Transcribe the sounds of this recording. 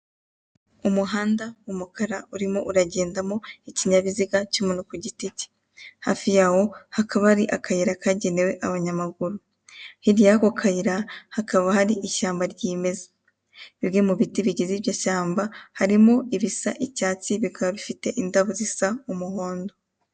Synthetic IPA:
umuɦaːndaumukaɾauɾimo̞ʔuɾaɟe̞ːndamo̞iciɲaβiziɡacumunukuɟitici̥ | ha̰fijaho̞hakaβaaɾiʔakajiɾakaɟenewe̞ʔaβaɲamaɡuɾu | hiɾjakokʰajiɾahakaβahaɾiʔiʃaːmbaɾɟiːme̞zḁ | βibɡemuβitiβiɟiziβjaʃaːmbahaɾimo̞iβisa̰ʔicaːt͡siβikaβaβifite̞ʔindaβuzisaumuho̞ːndo

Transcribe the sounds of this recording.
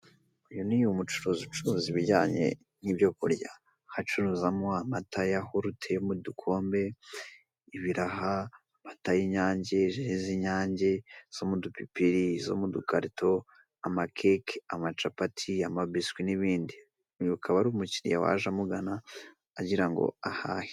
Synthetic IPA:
ujonijumut͡ʃuɾuzut͡ʃuɾuziβiɟaːɲe̞̰ | nibjo̞kṵɾɟa̰ | hat͡ʃuɾuzamoamatajahoɾutʰeomudukʰo̞ːmbe̞ | iβiɾaɦa | matajiɲaːɲɟe̞ʒiiziɲaːɲɟez̥omudupipiɾizo̞̰mudukaɾito̞ | amakʰekamat͡ʃapatʰiamabiskwiniβiːndi | ukʰaβaɾumuciɾḭjawa̰ʒamuɡanaː | ɟiɾaŋɡo̰ahahi̥

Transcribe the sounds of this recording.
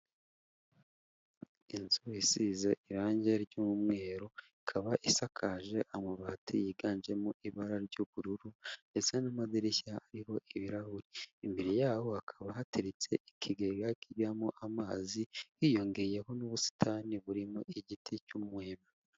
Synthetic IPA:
inzuisizeʔiɾaːɲɟeɾɟumumŋe̞ːɾo̞ikʰaβaʔisakʰaːʒe̞ʔamuβaːtujiɡaːnd͡ʒe̞muʔiβaɾaɾɟoβuɾuɾunde̞t͡senamadiɾeçaaɾiɦo̞ʔiβiɾahuɾiːmbiɾijaːho̞akʰaβahatiɾit͡se̞ikʰiɡeɡakiβamoʔamaːziwiːjo̞ŋɡeje̞ɦo̞nuβusi̥tʰaːniβuɾimoʔiɟitʰicumweːma

